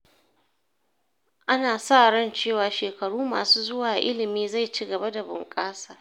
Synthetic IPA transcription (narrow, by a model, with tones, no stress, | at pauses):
ʔa˦naː˨sa˦ʔɽɐ˦˨nt͡ʃeː˦˨waː˨ʃeː˨kɐ˨ɽuː˦ma̰ː˨suː˦zʊ˦waː˨ʔɪ̰˦lɪ˨miː˦za˦˨jt͡ʃi˦ɡɐ˨ba˦da˨bʊ̰˨ŋkʼaː˦saː˨